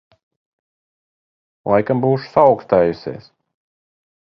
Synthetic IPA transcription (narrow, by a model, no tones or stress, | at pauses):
lˠajkambuːʃu̥sawkst̪aːjusʲḛːs